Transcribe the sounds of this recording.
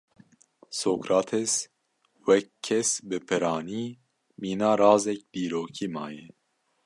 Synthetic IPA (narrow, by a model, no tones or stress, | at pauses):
soːkɾɑːt̪ʰɛs | wɛkʰːɛsbɨpʰɨɾɑːniː | miːnɑːɾɑːzɛk̚d̪iːɾoːkʰiːmɑ̰ːjɛ